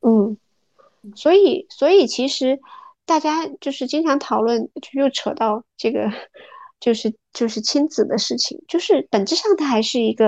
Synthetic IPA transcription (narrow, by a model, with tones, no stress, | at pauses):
n̩˥˩ | swɔ˧˥i˨˩˦swɔ˧˥i˨˩t͡ɕʰi˧˥ʂɻ̩˧˥t̪a˥˩t͡ɕja˥t͡ɕjo˥˧ʊʂɻ̩˥˩t͡ɕi˥ŋʈ͡ʂʰɑ˧˥ŋt̪ʰɑ˨˩ʊlwə˥˩nt͡ɕʊjo˥˩ʊʈ͡ʂʰɤ˨˩t̪ɑ˥˧ʊʈ͡ʂɤ˥˩ɡə̰˩t͡ɕjo˥˧ʊʂɻ̩˥˧t͡ɕjo˥˧ʊʂɻ̩˥˩t͡ɕʰi˥nt͡sɹ̩˨˩d̪ə˦ʂɻ̩˥˩t͡ɕʰḭ˨˩ŋt͡ɕjo˥˧ʊʂɻ̩˥˩pə˨˩nʈ͡ʂɻ̩˥ʂɑ˥˩ŋt̪ʰa˥xa˧˥ɪʂɻ̩˥˩i˧˥ɡə˧